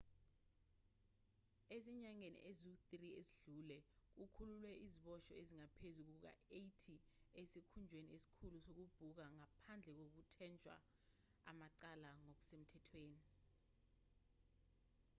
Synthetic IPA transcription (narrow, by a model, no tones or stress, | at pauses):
esiɲaŋenḭʔezuθrieziɮulɛk̬ukʰululwɛiziɓɔʃɔeziŋapʰezuk̬uk̬a̰ejtʰiesikʰund͡ʒʱweniesi̥kʰulusok̬ub̥ʱuk̬aŋapʰand͡ɮʱɛk̬ok̬utʰɛnt͡ʃʼwa̰ | a̰maǀalaŋok̬u̥sem̩tʰɛtʰweːni